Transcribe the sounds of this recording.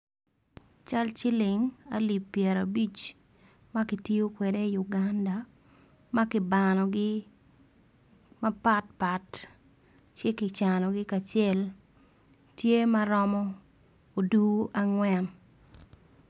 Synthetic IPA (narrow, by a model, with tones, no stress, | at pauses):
t͡ʃa˦lt͡ʃɪ˦lɪ˨ŋa̰˦li˨pːjɛ˨ɾa˨bi˦t͡ʃ | mɐ˦kɪ˨ti˦o˦kwɛ˨de˦i˨jʊ˨ɡanda˨ | ma˦kɪ˨banɔ˨ɡɪ˦ | mɐ˦pa˦t̚pa˨t | t͡ʃe˦kɪ˨t͡ʃa˨nɔ˨ɡɪ˦ka˨t͡ʃɪe˦l | tje˦mɐ˦ɾɔ˦mɔ˦ | o˨du˦ʔa˦ŋwɛ˦n